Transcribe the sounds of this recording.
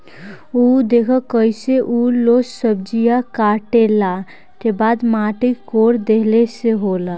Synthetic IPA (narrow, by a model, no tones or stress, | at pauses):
ud̪ekʰəkəjseʔulosəb̚d͡ʒijakaʈela | t̪ebad̪maʈikoɾd̪eɦleseɦola